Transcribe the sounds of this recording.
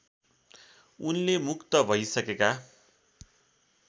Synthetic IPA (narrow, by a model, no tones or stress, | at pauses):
unlemukt̪ʌbʱʌjsʌkeka